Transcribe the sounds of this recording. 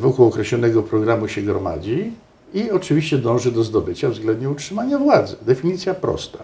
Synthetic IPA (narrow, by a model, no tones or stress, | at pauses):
vɔkuwɔkɾɛɕlɔnɛɡɔpɾɔɡɾamuɕɛɡɾɔma̰d͡ʑi | iɔt͡ʂɘvʲiɕt͡ɕɛd̪ɔ̃w̃ʐɘd̪ɔzd̪ɔbɘt͡ɕavzɡlɛnd̪ɲɛutʂɘmaɲavwad̪zɘd̪ɛfʲiɲit̪sʲjapɾɔ̰st̪a